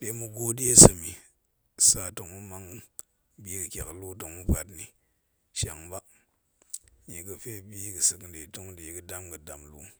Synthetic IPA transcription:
ɗe˨˦mu˧ɡo˦di˦e˦sɨ˨mi˨ | sa˨to˨ŋmu˦ma˦ŋ | bi˦kɨ˨kʲa̰˨klu˦to˨ŋmu˦pa˨tni˨ | ʃa˨ŋba˦ | ɲe˨kɨ˨fe˦bi˦kɨ˨sɨ˨knde˨to˦ŋde˨˦kɨ˨da˦mkɨ˨da˨mlṵ˨

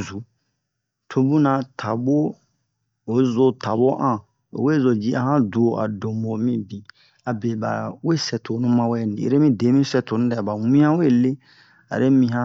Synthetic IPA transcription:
zu˨˦ | tʰo˧bũ˦nã˦tʰa˨bo˦ | o˨˦zo˦tʰa˨bo˦ʔã˦˨ | o̰˨we˦˨zo˨d͡ʒi˦ʔa̰˨hã˦du˨o˨ʔa̰˨do˨mbo˨mĩ˦bĩ˨ | a˨be˨ba̰˨we˦˨sɛ˨tʰo˨nũ˦mã˦wɛ˦˨n˨ḭ˨ɾe˦mĩ˦de˨˦mĩ˦sɛ˨tʰo˨˦nũ˦dɛ˦˨ba˨wĩ˦ã˦we˦˨le˦ | a̰˨ɾe˦mĩ˧ɦã˦

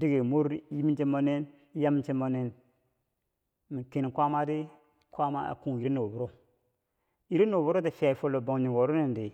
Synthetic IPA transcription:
di˦ɡe˨mo˦ɾji˦mi˦nt͡ʃe˦mo˦ne˦n˦ | ja˦m˦t͡ʃe˦mo˨ne˦n | mi˨ke˨n˨kʷa˦ma˦di˦ | kwa˦ma̰˦a̰˨ku˦ŋi˨ɾe˦no˨bu˨ɾo˦ | i˨ɾe˦no˨wbu˦ɾo˦te˨fi˦ja˨i˨fo˦lo˨bo˨ŋɲi˨ŋɡo˨ɾo˦ne˨ndi˨

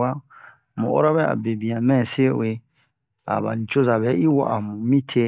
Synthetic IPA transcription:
a˦ | mṵ̃˨ʔo̰˦ɾa˦βɛ˦a̰˨be˨bĩ˨ã˨mɛ̃˦˨se˦w̰e˨˦ | a̰˨ba̰˨n̩˨t͡ʃo˦za˨βɛ˨˦i˦wa̰˦˨ʔa˨mũ˨mĩ˦tʰe˦

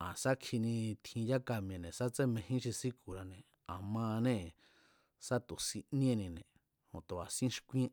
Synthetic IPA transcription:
ã˨sa˦kʰi˧nĩ˧t̪ʰĩ˧ja˦ka˧mĩ˧ẽ˧˨nẽ˨sa˦t͡se˦mẽ˧hĩ˦ʃi˧si˦ku˨ɾa˧nẽ˨ | ã˨mã˧nẽ˦ | sa˦t̪u˨si˧nĩ˦ẽ˦˧nĩ˧nḛ̃˨ | hõ̰˨t̪o˨a˨sĩ˦ʃkʷĩ˦ẽ˦

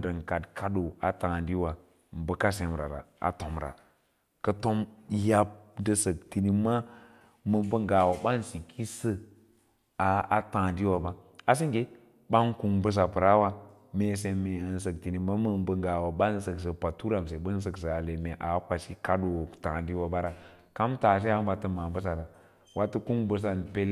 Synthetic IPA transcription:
də˨ŋka˨dkʰa˦do˨a̰˨tã˨ndi˦wa˨ | m̩˨bə˦ka˦se˨m˨ɾa̰˨ɾa̰˨a̰˨to˨mɾa̰˨ | kə˦to˦mja˦p̚də˨sə˨k̚ti˨ni˦ma˦ | mə˨bə˦ŋɡa˨wa˨ɓa˦n˦si˨kʰi˦sə˦ | a˨a˨tã˨ndi˦wa˨ba˦ | a˨s̬i˦ɡe˦ | ɓa˦nku˨ŋbə˦s̬a˨pə˨ɾa˦wa˦ | me˨s̬e˨me˨ns̬ə˨k̚ti˨ni˨ma˦mə˨bə˨ŋɡa˨wa˨ɓa˦n˦sə˨ks̬ə˨pa˨tu˦ɾa˨ms̬e˨ɓə˦n˦s̬ə˨ks̬ə˨a˨le˨me˨ʔa˨˦kʷa˨ʃi˦ka˦do˨tã˨di˦wa˨ba˦ɾa˨ | ka˦mta˨s̬e˦a˦ba˨tə˦ma˨bə˦s̬a˨da˨ | wa˦tə˦ku˦nbə˨s̬a˨npe˦l

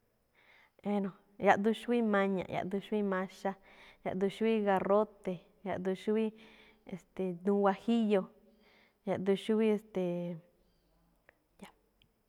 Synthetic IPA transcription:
e˧nõ˧ | ja˧ʔd̪u˧ʃu˦i˦mã˧ɲã̰˧˨ja̰˨ʔd̪u˧ʃu˦i˦mã˧ʃa˦ | ja̰˧ʔd̪u˧ʃu˦i˦ɣa˧ro˦t̪e˨ | ja˧ʔd̪u˧ʃu˦i˦ | e˨st̪e˨nũ˧wa˧hi˦jo˧ | ja˧ʔd̪u˧ʃu˦i˦e˧˨st̪e˨ | ja˧

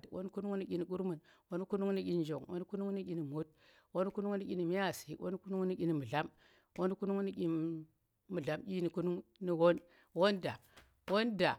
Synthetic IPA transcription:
two̰˦n˦ku˦nu˦ŋni˦kʲi˦ni˨ku˦ɾmu˨n | wo˦n˦ku˦nu˦ŋni˦kʲi˦nd͡ʒo˨ŋwo̰˦n˦ku˦nu˦ŋni˦kʲi˦ni˨mo˦t̚ | wo˦n˦ku˦nu˦ŋni˦kʲi˦ni˨mi˦ja˨si˨wʔo̰˦n˦ku˦nu˦ŋ˦ni˦kʲi˦ni˨mu˨ɮa˦m | wo˦n˦ku˦nu˦ŋni˦kʲi˦ | mu˨ɮa˨˦mkʲi˦ni˨ku˦nu˦ŋni˦wo˦n | wo˦nda̰˨ | wo˦nda˨

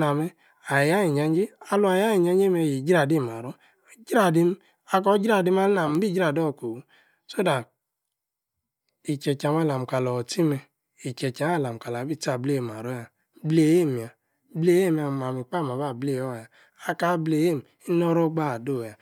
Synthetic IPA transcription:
na˨me˦ | a˨ja˦i˨ɲa˨ɲ˦d͡ʒi˦a˨lu˦a˨ja˦i˨ɲa˦ɲ˦e˦me˧˨ji˨d͡ʒa˨di˦˨m˨a˨ɾo˦˨ | d͡ʒɾa˦˨di˦m˦ | a˨k̬ɔ˦d͡ʒɾa˦˨di˦m˦a˦na˨m˨˦bi˦d͡ʒɾa˨do˦˨ko˨u˨˦ | so˦da˨ | i˨t͡ʃɛ˨t͡ʃa˨m˦a˦˨la˨m̩˨ka˨lɔ˨ti˦mɛ˧ | i˨t͡ʃɛ˨t͡ʃa˨˦a˦˨la˨m˨ka˨la˨bi˦˨ta˨ble˦˨m˨a˨ɾo˦ja˨ | ble˨je˦˨m˨a˨˦ | ble˦je˦˨m˦˨a˨ma˨mi˨k͡pa˦˨m˨a˨ba˦˨ble˨ɔ˦˨ja˨ | a˨ka˨˦ble˨je˦˨m˨i˦nɔ˦ɾɔ˦ɡ͡ba˦˨do˦˨ja˨

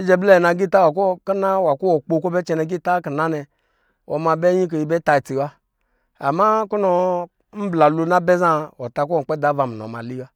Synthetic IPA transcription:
i˦d͡ʒɛ˧blɛ˦ɛ˨na˧ɡi˦˨ta˦wa˨k̬o˦ka˦na˦wa˨ku˦wɔ˨k͡po˧˨kʷo˦bɛ˦t͡ʃɛ˧nɛ˧ɡi˦˨ta˦ki˨na˦nɛ˧ | wɔ̰˧ma˧bɛ˦ɲi˦k̬o˧ji˧˨bɛ˦ta˧˨t͡si˨wa˦ | a̰˨ma˦ku˦nɔ˧ | m̩˦bla˨lo˧na˦bɛ˦za˦ɔ˨ta˧k̬u˦ɔ˨k͡pɛ˦da˨˦va˨mi˨nɔ̰˨ma̰˨li˦a˦

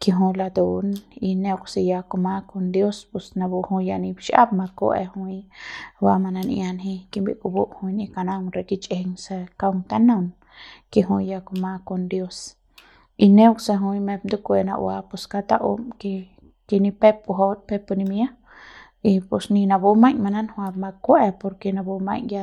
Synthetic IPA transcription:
ki˧ɦũ˧la˧d̪u˨ni˧nẽ˧kse˧ja˧ko˧mã˧ko˧nd̪jo˦spu˨sna˧bu˧hũ˧ja˧nĩ˧bʃʔa̰˦p̚ma˧ko̰ḛ˧hũ˧jwa˧ma˧na˧nʔj̰a˧nɦĩ˧ki˧bḭ˨ʔku˧bu˦ʔhũ˧inĩ˧ka˧na˧ŋɾe˨kit͡ʃeŋse˧ka˧wŋt̪a˦na˦˧m | ke˧ɦũ˧ja˧ko˧ma˧ko˧nd̪jo˦s | i˧nẽ˦wksa˧ɦu˧jme˧b̚nd̪u˦kʷe˧na̰˧ʔwa˧pu˧ska˧t̪a˦ʔo̰˧mke˧ | ke˧ni˧pe˦pu˧ɦo˧t̪̚pe˧pu˧ni˧mja˦ | i˧pu˧sni˧na˧bu˧mã˧ɲma˧na˦nhwa˧b̚ma˧kwe˧po˧ɾke˧na˧bu˧mã̰˧ɲja˧

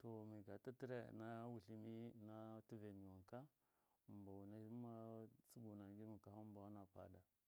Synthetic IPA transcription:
to˨mi˨ɡa˨ta˦ti˦ɾḛ˨na˦wu˨ɬi˦mi˦na˦ti˦ve˨ni˨wa˨ŋka˦˨ | mba˨wna˦ma˦t͡su˦ɡu˨na˨ɡi˦mi˨ka˨ha˦m˦ba˨wna˨pa̰˨da˨

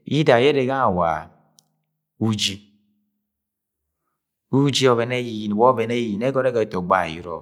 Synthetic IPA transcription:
i˦da˨je˦ɾe˨ɡa˦a˨wa̰˨ | u˦d͡ʒi˦ | u˦d͡ʒi˦o˨βe˨ne˦ji˨ji˨n˨wɔ˦be˨ne˦i˨ne˦ɡɔ˦ɾe˦ɡe˨˦˨to˨ɡ͡ba̰˦˨jḭ˦ɾɔ̰˨

